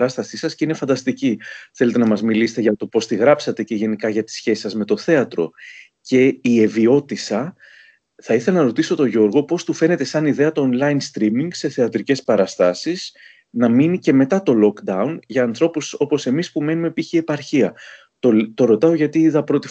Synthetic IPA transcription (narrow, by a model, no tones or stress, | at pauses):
ɾɐst̪ɐsisɐscine̞fɐnd̪ɐst̪iciθe̞le̞t̪e̞nɐmɐzmiliset̪eʝɐt̪o̞po̞st̪iɣɾɐpsɐt̪e̞ce̞ʝe̞nikɐʝɐt̪i̥sçe̞si̥sɐzme̞t̪o̞θe̞ɐt̪ɾo̞̰ | ce̞ie̞vio̞t̪isɐ | θɐiθe̞lɐnɐɾo̞t̪iso̞t̪o̞ʝo̞ɾɣo̞po̞st̪ufe̞ne̞t̪e̞sɐniðeɐt̪o̞ːnlɐjnst̪ɾimiŋɡse̞θe̞ɐt̪ɾice̞spɐɾɐst̪ɐsis | nɐminice̞me̞t̪ɐt̪o̞lo̞kd̪ɐunʝɐːnθɾo̞puso̞po̞se̞mispume̞nume̞piçie̞pɐɾçiɐ | t̪ot̪o̞ɾo̞t̪ɐo̞ʝɐt̪iiðɐpɾo̞t̪i